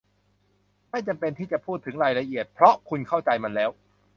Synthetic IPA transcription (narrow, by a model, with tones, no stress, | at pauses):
ma˥˩jt͡ɕa˧mpe˧nt̪ʰiː˥˩t͡ɕa˨˩pʰuː˥˩t̪ʰːɯ˩˦ŋɾaː˧jɾa˧ʔi˨˩ət̪̚pʰɾɔ˦˥kʰu˧nkʰa˥˩wt͡ɕa˧jma˧nlɛː˦˥w